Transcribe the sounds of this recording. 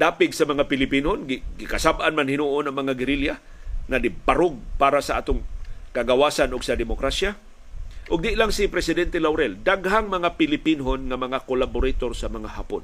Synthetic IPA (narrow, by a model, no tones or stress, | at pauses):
d̪aːpɪɡsamɐŋapɪlɪpinɦonɡɪɡɪkasabʔanmanhɪnuʔʊnaŋmɐŋaɡɪɾilja | ŋad̪ɪpaɾʊɡ̚paːɾasaʔa̰ːt̪ʊŋkaɡawaːsanʊɡsad̪ɪmokɾasja | ʔʊɡ̚d̪ɪʔlaŋsɪpɾɛsɪd̪ɛnt̪ɛlawɾɛld̪aɡhaŋmɐŋapɪlɪpinɦonŋamɐŋakolabʊɾat̪oɾsamɐŋahaːpʊ̰n